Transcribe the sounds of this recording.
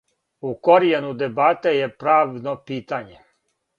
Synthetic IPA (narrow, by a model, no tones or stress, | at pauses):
ukoɾijenud̪ebaːt̪ejepɾaːʋnopiːt̪aɲe